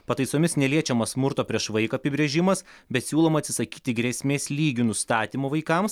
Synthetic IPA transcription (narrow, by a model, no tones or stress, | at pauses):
pɐt̪ɐɪsoːmʲɪsnʲɛlʲiɛt͡ʃʲɛmɐsmʊɾt̪oːpʲɾʲiɛʃʋɐɪkoɐpʲɪbʲɾʲeːʒʲɪmɐsbʲɛt̪sʲuːlˠoːmɐt̪sʲɪ̥sɐkʲiːt̪ʲɪɡɾʲɛsʲmʲeːsʲlʲiːɡʲʊnʊst̪ɑːt̪ʲiːmoːʋɐɪkɐms